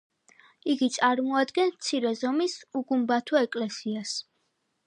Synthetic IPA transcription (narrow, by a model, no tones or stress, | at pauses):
iɡit̪sʼaɾmɔad̪ɡɛnt̪sʰiɾɛzɔmisuɡumbat̪ʰɔɛkʼlɛsias